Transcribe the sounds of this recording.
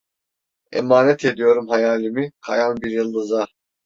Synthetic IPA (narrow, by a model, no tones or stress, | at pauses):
ḛmaːnɛt̪ʰed̪ijo̞ɾumɦajaːlʲimikʰa̰janbiɾjɯlˠːɯza